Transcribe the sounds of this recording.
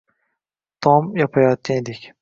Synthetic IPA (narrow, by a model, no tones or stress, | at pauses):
t̪ʰɒmjɒpʰajɒt̪̚kʲʰand̪ekʲ